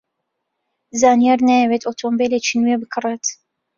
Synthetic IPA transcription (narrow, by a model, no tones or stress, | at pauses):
zaːnijaɾnajɛwet̪ot̪ʰombelet͡ʃinuebɨkʰɨret̪